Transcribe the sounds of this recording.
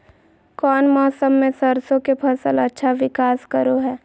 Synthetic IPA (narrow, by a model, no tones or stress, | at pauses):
kɔːnmɔːsəmːẽsɐɾsõkepʰɐsəlɐtːʃʰaʋɪkaːskəɾoɦɛː